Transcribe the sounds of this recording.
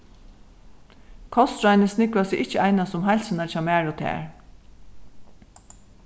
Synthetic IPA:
kʰɔst̪ɹajnəsnɪkʋasɪʔɪt͡ʃːəajnasʊmɦajlʲsɪnaɹt͡ʃʰaːmæːɹʊt̪ʰɛ̰ːɹ

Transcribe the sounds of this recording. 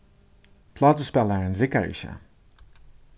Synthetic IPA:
pʰlaːtospɛlˠəɹɛnrɪkaɹḭʃa̰

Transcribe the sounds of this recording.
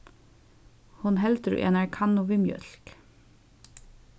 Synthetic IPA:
hʊnhɛlt̪ɾʉ̰ʔḛːnɑɹkʰɑnʊʋɪmjœ̰lk

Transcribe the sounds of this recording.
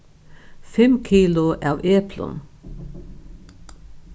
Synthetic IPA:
fɛmkʰiːlʊʔɑːʋeːpʰlə̰n

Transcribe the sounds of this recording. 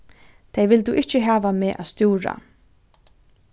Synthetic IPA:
t̪ʰejʋɪlt̪uʔɪht͡ɕɪɦæːʋameːʔa̰ːðst̪juːɾa̰

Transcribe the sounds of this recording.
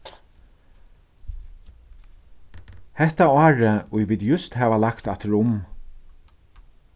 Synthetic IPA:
hɛht̪aɑːɹəʊjʋɪːd̪jʏst̪hæːʋalakt̪at̪ɾʊm

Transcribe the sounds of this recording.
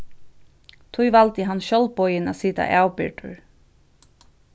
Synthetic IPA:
t̪ʰujvalt̪ɪɦanːʃɔlpɔjɪna̰siːt̪a̰ʔaːwpɪ̰ɹʈ̪ʊ̰ɹ

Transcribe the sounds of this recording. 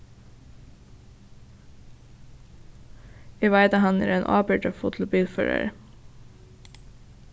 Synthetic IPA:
iːʋæɪd̪ɑhɑnə̰ːɾeːnʔɑ̰ːbəʈəfʊt̪ʰl̩biːlfœ̰ɹə̰ɾ

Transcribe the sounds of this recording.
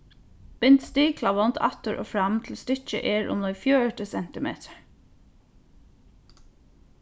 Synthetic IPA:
b̥ɪnt̪st̪iːkʰlɑʋɔnt̪ʰɑ̰t̪əɹʔo̰ːfɹɑmt̪ʰl̩st̪ʏc͡çə̰ʔeːɹʔʊ̰məfjøːəʈəsɛnt̪ɪmḛːt̪ʰə̥ɹ

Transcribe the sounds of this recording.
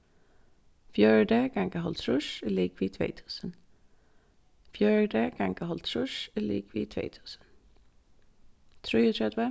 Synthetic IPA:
fjœɹɖeːɡ̥aŋkəɦɔ̰lt̪ʰɹʉʃɪlɪːkʰʋiːt̪ʰʋḛːt̪ʰʉ̥ːsən | fjœɹɖeːɡ̥aŋkəhɔlt̪ɾʉʃɪlḭːkʰʋḭːt̪ʰʋḛːt̪ʰʉ̥ːsə̥n | t̪ʰɾiːət̪ʰɹɛd̪ʋə

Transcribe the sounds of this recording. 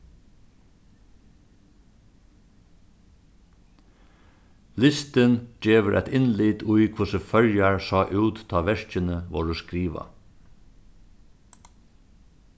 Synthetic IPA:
lɪst̪ənd͡ʒeːʋəɾʔæt̪ɪnliːt̪ʰʊʏkʰʊsəfœljæɹsɑːʔʉːt̪ʰːɑːʋɛʃc͡çənəʋoːɹoːskɾiːʋɑ̰

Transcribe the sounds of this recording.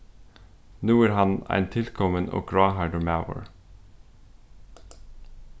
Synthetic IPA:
nuːæːɾhɑnæ̰ɪnt̪ʰɪlkʰɔmənʔo̰ːɡɹɑːhɑɪɖəmaʊə̰ɹ

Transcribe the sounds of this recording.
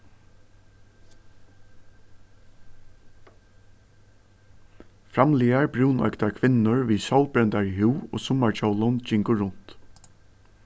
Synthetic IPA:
fɾɑmliːaɹbɹuːnœ̰ʏkt̪aɹkʰʋɪnʊɹʋiːsɔwlbɾɛnt̪aɹiɦʉːo̰ːsʊmaɹt͡ʃʰɔʊlʊnd͡ʒɪŋkʊɹʊn̥t̪

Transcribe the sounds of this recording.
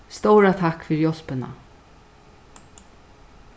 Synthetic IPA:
st̪owɾat̪ʰakːfɪːɾjɔl̥pɪna̰

